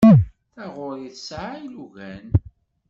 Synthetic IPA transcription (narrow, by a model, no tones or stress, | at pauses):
θæʁʊɾiθsʕiluʝæn